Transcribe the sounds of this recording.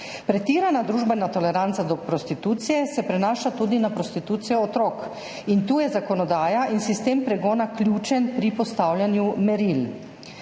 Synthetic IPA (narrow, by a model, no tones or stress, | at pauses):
pɾɛt̪iːɾanad̪ɾuːʒbɛnat̪ɔlɛɾant̪sad̪ɔpɾɔst̪it̪uːt̪sijɛsɛpɾɛnaːʃat̪uːd̪inapɾɔst̪it̪uːt̪sijɔːt̪ɾoːk | int̪uːjɛzakɔnɔd̪aːjaʔinsist̪eːmpɾɛɡɔːnaklʲjuːt͡ʃɛnpɾipɔst̪awljanjumɛɾil